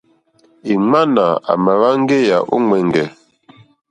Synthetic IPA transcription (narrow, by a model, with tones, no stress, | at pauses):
i˨ŋ͡ma˦na˨a̰˨ma˨βa˦ŋ˦ɡe˦ja˨ʔṵ˦ŋwɛ˨ŋɡɛ˨